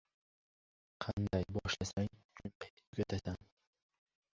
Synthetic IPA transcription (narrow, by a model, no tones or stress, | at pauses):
qʰɑnd̪ajbɒʃlasaŋkʰʊnpʰa | ʊɡʲat̪ʰasan